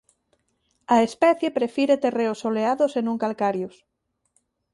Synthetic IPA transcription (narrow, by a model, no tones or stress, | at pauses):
ɐespɛθjepɾefiɾet̪ereosoleaðosenũŋkalkaɾjos